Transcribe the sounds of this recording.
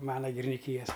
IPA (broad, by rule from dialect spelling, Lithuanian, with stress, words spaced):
ˈmɑːnɐ ɡʲɪrʲɪnʲɪˈkʲiːjɛs